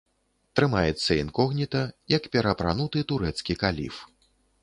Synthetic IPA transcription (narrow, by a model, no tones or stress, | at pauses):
t̪ɾɨmajɛt̪sːɐinkɔɣnʲit̪ɐjɐkpʲɛɾɐpɾa̰nut̪ɨt̪uɾɛt̪skʲikalʲḭf